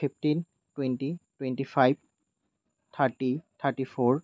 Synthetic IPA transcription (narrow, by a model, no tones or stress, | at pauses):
ifʈin | ʈwenʈiʈweɳʈifʰajb̚ | t̪ʰaɾʈit̪ʰaɾʈifoɾ